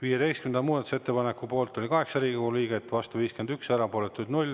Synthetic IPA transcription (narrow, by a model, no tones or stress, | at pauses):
viːjet̪e̞jst̪kymend̪ɑmuːd̪ɑt̪use̞t̪ːe̞pɑnekːˑupo̞ːlt̪ˑːolikɑɦe̞ksɑɾiːɡioɡuliːɡet̪ːvɑst̪uviːske̞nd̪yksæɾɑpolet̪ːˑud̪nulʲ